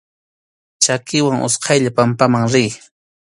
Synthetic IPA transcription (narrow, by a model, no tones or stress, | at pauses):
t͡ʃakɪwaŋʔʊ̰sqʰɑjʎapampamaŋɾɪj